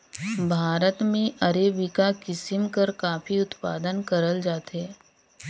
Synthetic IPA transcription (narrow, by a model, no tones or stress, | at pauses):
bʱaːɾət̪mẽʔɐɾeːbɪkakɪsɪmkɐɾkaːfiʊt̪pa̰ːd̪ənkɐɾəld͡ʒaːt̪ɦɛː